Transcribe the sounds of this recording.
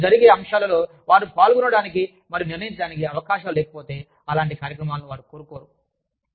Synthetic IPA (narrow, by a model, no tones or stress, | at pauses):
d͡ʒɐɾiɡeːɐmʂaːlɐlo̞ː | ʋaːɾupaːlɡunɐɽaːniki | mɐɾijuniɾnɐjiɲt͡ʃɐɽaːnikiɐʋɐkaːʃɐmlɛːkɐ̥po̞ːt̪e̞ː | ɐlaːɳʈikaːɾjɐkɾɐmaːlnuʋaːɾukoːɾukoːɾu